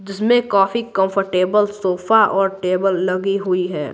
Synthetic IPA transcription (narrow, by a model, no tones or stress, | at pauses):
d͡ʒɪsmẽkaːfikə̃mpʰəɾʈeːbəlsoːfʰaʔɔːɾʈeːbəlːɐɡiɦʊiɦɛ̰ː